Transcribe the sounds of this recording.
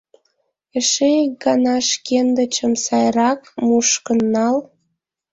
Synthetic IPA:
əʃek̚ɡɑnɑʃkend̪ə̆t͡ɕəmsɑjrɑkmuʃkənːɑl

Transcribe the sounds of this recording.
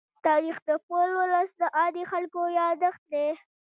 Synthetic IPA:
t̪ɑɾixd̪əpolwʊləsd̪əʔɑd̪ixalkojɑd̪əxt̪̚d̪e

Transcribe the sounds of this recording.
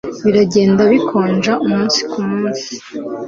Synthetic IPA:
βiɾaɟe̞ːndaβikʰo̞ːnd͡ʒaʔumuːnsi̥kumuːnsi̥

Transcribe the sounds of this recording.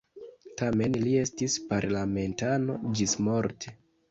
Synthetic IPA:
tame̞nlie̞stispaɾlame̞ntano̞d͡ʒismo̞ɾtʰe

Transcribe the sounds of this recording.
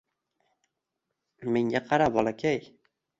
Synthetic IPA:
meŋʲaqʰɑɾabɒlˠakʲʰaj

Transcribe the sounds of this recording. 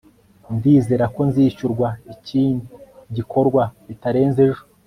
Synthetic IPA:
ndiːze̞ːɾako̞nziːʃuɾɡwaiciːndiɟikʰo̞ɾɡwaitaɾe̞ːnzeʒo

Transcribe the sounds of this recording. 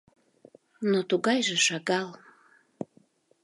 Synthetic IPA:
not̪uɣɑjʒeʃɑɣɑl

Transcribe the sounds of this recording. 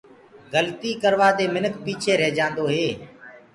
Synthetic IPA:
ɡəlt̪iːkəɾʋaːd̪eːmɪnəkpiːt͡ʃʰeːɾɛɦd͡ʒãːnd̪oːɦeː

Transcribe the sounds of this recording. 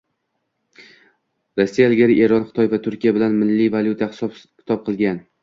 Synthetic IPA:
ɾosːijalɡʲaɾɪʔe̞ɾɒnχɨ̥t̪ʰɒjvat̪ʰʊɾkʲijabɪlanmɪlːivaljut̪ʰahskʲɪ̥t̪ʰɒp̚qʰɨlˠɡʲan

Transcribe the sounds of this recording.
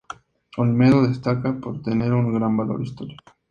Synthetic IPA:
olmeðoðe̞st̪akapo̞ɾt̪e̞ne̞ɾuŋɡɾambalo̞̰ɾist̪o̞ɾiko̥

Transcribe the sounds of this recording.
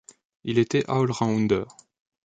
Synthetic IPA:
ilet̪ɛʔaɔlʁɑ̃ũnd̪œʁ

